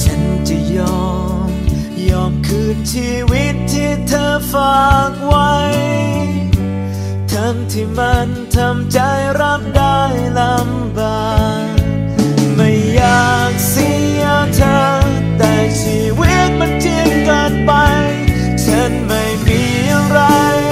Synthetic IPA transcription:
t͡ɕʰa˦˥nt͡ɕa˧˩˨jɔː˧˩ | m | jɔː˧˩mkʰɯː˧˩nt͡ɕʰiː˧wi˦˥t̪ʰːiː˧˩t̪ʰːɤː˧faː˨˧˩k̚wa˦˥j | t̪ʰa˧˦˥ŋt̪ʰiː˧˩ma˧n | t̪ʰa˧mt͡ɕa˧˥jɾa˦˥p̚da˥˩jla˧˥m | baː˨˩ | k̚ | ma˥˩jːaː˧˩k̚si˨˧˥ | a˧t̪ʰɤː˧ | t̪ɛː˧˩t͡ɕʰiː˧wi˦˥k̪̚ma˧nt͡ɕi˧˥əŋka˧˩npa˧j | t͡ɕʰa˦˥nma˥˩jmiː˧ja˧ŋɾa˧j

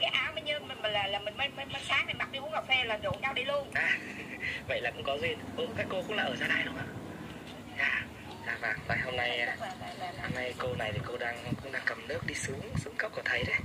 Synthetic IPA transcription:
kaː˨˦jʔaː˧wmə˧ɲɨ˧m˨˩ma˨˩laː˨˩laː˨˩mï˨˩ŋmə˨˧˦jmə˧˦jmə˧saː˨˦˥k̚n˨˩ma˨˩k̚ɗi˧mṵ˧˥˦ŋa˨˩fɛ˧laː˨˩zo˨˩˨ʔaː˧wɗi˧lu˧ənʔaː˨˩ | və̰˧˨jlaː˨˩kʊ̰˧˥ŋ͡mkɔ˨˦ŋe˧nʔu˨˧˩kaː˦˥kːo˧kʊ̰˧˥ŋ͡mlaː˨˩ʔəː˧˩zaː˧na˧˩jɗʊ˨˦ʔaː˧˩ | zaː˨˩ | zaː˨˧˩vaː˨˩ŋna˨˩jɦo˧mna˧jho˧mna˧jko˧na˨˩jt̪ʰi˨˩ko˧ɗaː˧ŋ˨kʊ̰˧˥ŋ͡mɗaː˧ŋkə˨˩mnɨ˦˥ək̚ɗi˧sɨ˨˦əŋsɨ˨˦əŋkə˦˥w̚ku˧˩t̪ʰə˨˦jɗə˨˦

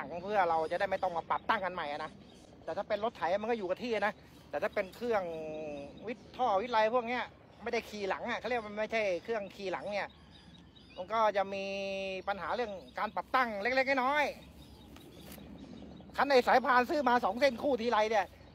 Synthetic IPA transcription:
ŋpʰɯ˥˩ɐɾa˧wt͡ɕa˨˩da˥˩jma˥˩jt̪ɔ˥˩ŋma˧˩pa˨˩p̚t̪a˥˩ŋka˧nma˨˩jʔa˨˩na˦˥ | t̪ɛː˨˩t̪ʰaː˥˩pe˧nlo˦˥t̪ʰa˨˦ja˧˨ma˧nkɔː˥˩juː˨˩a˧˩t̪ʰiː˥˩˧na˦˥ | t̪ɛː˨˩t̪ʰaː˥˩pe˧nkʰɯ˥˩əŋ | wi˦˥t̪ʰːɔː˥˩wi˦˥t̪̚la˧jpʰu˥˩ək̚ni˦˥˩ɐ | ma˥˩jda˥˩jkʰiː˧la˩˦ŋʔa˨˩kʰli˥˩˧ma˧nma˥˩jt͡ɕʰa˥˩jkʰɯ˥˩əŋkʰiː˧˩la˩˦ŋni˥˩ɐ | ma˧nkɔː˥˩t͡ɕa˨˩ʔmiː˧pa˧nɦaː˩˦ɾɯ˥˩əŋkaː˧npa˨˩p̚t̪a˥˩ŋle˦˥k̚le˦˥k̚na˥˩jnɔː˦˥j | kʰa˦˥nːda˧˩jsaː˨˦jpʰaː˧nsɯː˦˥˩maː˧sɔː˩˦ŋse˥˩nkʰuː˥˩t̪ʰiː˧˩la˧jni˧˩ɐ

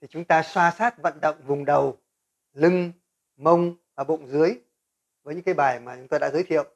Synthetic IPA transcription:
t̪ʰi˨˩t͡ɕʊ˨˦ŋ͡mt̪aː˧swaː˧saː˦˥t̚və̰˧˨nɗə̰˧˨wŋ͡mvʊ˨˩ŋ͡mɗə˨˩w | lɨ˧ŋ | mə˧wŋ͡mvaː˨˩ɓo̰˧˨nzɨ˨˦əj | vəː˨˦jɲɨ̰˧˥ŋkːaː˨˦jɓaː˨˩jmaː˨˩t͡ɕʊ˨˦ŋ͡mt̪aː˧ɗa̰ː˧˥zəː˨˦jt̪ʰḭ˧˨ə˨wʔ

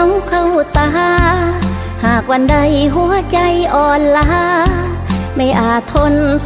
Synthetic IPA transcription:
wkʰa˧˩wt̪a˧ɦaː˧˥ | haː˨˩k̚wa˧nda˧˩jɦu˧˥ɐt͡ɕa˧jʔɔː˨˩nla˧ɦa˧˥ | ma˧˩jʔaː˨˩t̪ʰo˧n

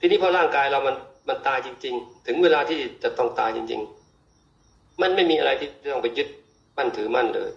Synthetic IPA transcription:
t̪ʰiː˧niː˥˩pʰɔ˧ɾaː˥˩ŋkaː˧jɾa˧wma˧nma˧nt̪aː˧jt͡ɕi˧ŋt͡ɕi˧ŋt̪ʰɯ˩˦ŋweː˧laː˧t̪ʰiː˥˩t͡ɕa˨˧˩t̪ɔ˥˩ŋt̪a̰ː˧jt͡ɕḭ˧ŋt͡ɕḭ˧ŋ | ma˧˥˩nma˥˩jmiː˧ʔa˧ɾa˧jt̪ʰiː˥˩t͡ɕaː˥˩t̪ɔ˥˩˨pa˨˩jːɯ˦˥t̪̚ | ma˥˩nt̪ʰɯː˩˦ma˥˩nlɤ̰ː˧j

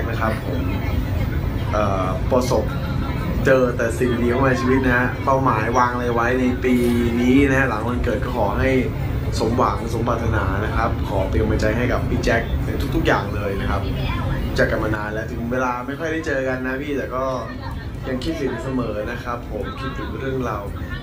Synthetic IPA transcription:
k̚na˦˥kʰa˦˥pʰːo˩˦m | ʔɤː˨˩ | pɾa˧so˨˩p̚ | t͡ɕɤː˧t̪ɛː˨˩siː˨˩wi˧diː˧ka˥˩maː˧t͡ɕʰiː˧wi˦˥t̪̚na˦˥pa˥˩wmaː˩˦jwaː˧ŋlaː˧wa˦˥jna˧jpiː˧niː˦˥na˦˥la˩˦ŋma˧nkɤː˨˩t̪̚kɔː˥˩kʰɔː˩˦ɦa˥˩j | so˨˩˦mwa˩˦ŋso˨˩˦mpʰaː˨˩t̪ʰːa˧naː˩˦na˦˥kʰa˦˥p̚kʰɔː˩˦pi˧nba˧t͡ɕa˧jɦa˥˩jka˨˩pːiː˧t͡ɕɛ˦˥k̚na˨˦˩t̪u˦˥t̪ʰu˥k̚jaː˨˩ŋlɤː˧jna˦˥kʰa˦˥p̚t͡ɕa˨˩kːa˧ma˧naː˧nlɛː˦˥t̪ʰɯ˨˩˦ŋweː˧laː˧ma˥˩jkʰjda˥˩jt͡ɕɤː˧ka˧nːa˦˥pʰiː˥˩t̪ɛː˨˩kɔː˥˩ | ja˧ŋkʰi˦˥t̪̚ʰsi˨˩˦nsa˧mɤː˩˦na˦˥kʰa˦˥pʰːo˩˦mkʰi˦˥t̪ʰːɯ˩˦ŋɾɯ˥˩əŋɾa˧w

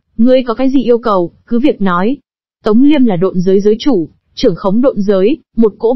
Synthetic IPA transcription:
ŋɨ˨˩əjkɔ˨˦kaː˨˦jzḭ˨˩ʔi˧əwkə˨˩wkɨ˨˦vi˨˩ək̚nɔ˨˦j | t̪ə˨˦wŋ͡mli˧əmlaː˨˩ɗo̰˧˨nzəː˨˦jzəː˨˦jt͡ɕu˧˩ | t͡ɕɨ˧˩əŋxə˨˦wŋ͡mɗo̰˧˨nzəː˨˦j | mo˨˩t̚ko̰˧˥

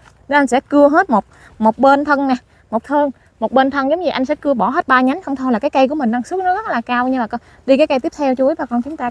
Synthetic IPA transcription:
nə˨˦ʔa˧jŋ̟sɛ̰˧˥kɨ˧əɦe˦˥t̚mo˨˩t̚ | mo˨˩t̚ɓe˧nt̪ʰə˧ŋna˨˩ | mo˨˩t̚t̪ʰəː˧ŋ | mo˨˩t̚ɓe˧nt̪ʰə˧ŋzə˨˦ŋ͡mɲi˨˩ʔa˧jsɛ̰˧˥kɨ˧əɓɔ˧˩ɦe˦˥t̚ɓaː˧ɲa˨˦ŋ̟xə˧wŋ͡mt̪ʰo˧jlaː˨˩kaː˨˦jkə˧jku˧˩əmï˨˩ŋɗa˧ŋsu˦˥t̚nɔ˨˦zə˦˥t̚laː˨˩kaː˧wɲɨ˧laː˨˩k | ɗi˧kaː˨˦kə˧jt̪i˦˥əp̚t̪ʰɛ˧wt͡ɕu˨˦əjvaː˨˩kɔ˧˩nt͡ɕʊ˨˦ŋ͡mt̪aː˧

